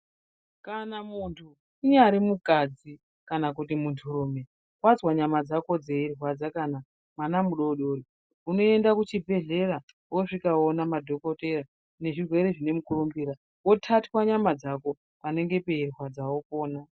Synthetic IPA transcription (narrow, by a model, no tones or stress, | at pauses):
kanamuntʰu | iɲaɾimukad͡zi | kanakut̬imuntʰuɾume̞ | wad͡zwaɲamad͡zako̞d͡ze̞irwad͡zakana | manamuɗo̞ɗo̞ːɾi | uno̞e̞ndakut͡ʃibʱe̞ɮe̞ɾa | woʐikaonamadʱo̞ko̞te̞ra | ne̞ʐirwe̞ɾe̞ʐine̞mukurumbiːɾa | wo̞tʰatwaɲamad͡zako̞ | pane̞ŋɡe̞pe̞irwad͡zawo̞po̞ːna